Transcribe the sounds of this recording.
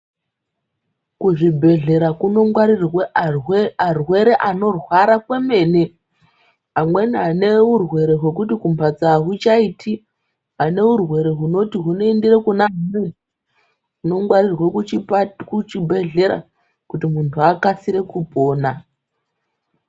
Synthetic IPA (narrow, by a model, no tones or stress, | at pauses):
kuʐibʱe̞ɮe̞ɾakunoŋarirw | arwe̞ɾe̞ʔano̞rwaɾakwe̞me̞ːne | ɦamwe̞niɦane̞urwe̞ɾe̞ɦwe̞k̬utikumbʱad͡zaɦut͡ʃaitʰi | ɦane̞ɦurwe̞ɾeɦuno̞tiɦunoendirekunaɦmwen | ɦuno̞ŋɡwarirwe | kut͡ʃibʱe̞ɮe̞ɾa̰ | kutimuntʰuakasiɾe̞kupo̞ːna